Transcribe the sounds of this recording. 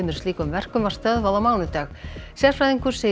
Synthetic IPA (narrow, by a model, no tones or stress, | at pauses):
mʏɾ̥liːkʏmvɛr̥kʏmvar̥st̪œðvaðawmaːwnʏt̪aːxsjɛ̥fɾajðiŋkʏɾ̥se